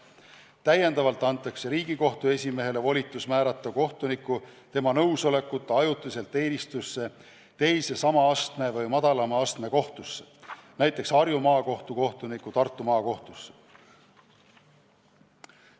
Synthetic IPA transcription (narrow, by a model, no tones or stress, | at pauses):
t̪æje̞nd̪ɑvɑlt̪ːˑɑnt̪ːˑɑkse̞ɾiːɡ̥iko̞ht̪ue̞sʲime̞ɦe̞le̞vo̞lʲit̪ːˑusmæːɾɑt̪ːˑɑko̞ht̪unikːˑut̪e̞mɑnɤwso̞le̞kːˑut̪ːˑɑjut̪ːˑis̬e̞lt̪e̞ːnist̪usːe̞ | t̪e̞jse̞sɑmɑɑst̪me̞vɤjmɑd̪̥ɑlɑmɑɑst̪me̞ko̞ht̪usːenæjt̪ˑːe̞ksɑɾjumɑːko̞ht̪uko̞ht̪unikːˑut̪ɑrt̪ːˑumɑːko̞ht̪usːe